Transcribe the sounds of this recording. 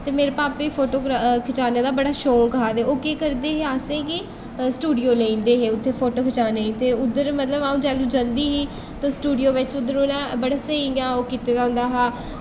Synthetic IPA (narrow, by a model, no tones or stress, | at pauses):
t̪eːmeːɾeːpaːpʋiːpʰoːʈoːkɾakʰɪt͡ʃaːneːd̪aːbəɽaːʃoːlkəaːd̪eːoːkeːkəɾd̪eːɦeːaːsẽːkɪ | sʈuːɖijoːlẽːnd̪eːɦeːʊt̪ʰːeːpʰoːʈoːkʰɪt͡ʃaːneːĩːt̪eːʊd̪əɾmət̪ləbaːũːd͡ʒaːlũːd͡ʒə̃nd̪iːɦiː | t̪ãːsʈuːɖijoːʋɪt͡ʃʊd̪ːəɾonãːbəɽaːsəijãːoːkiːt̪eːdãːnd̪aːɦaː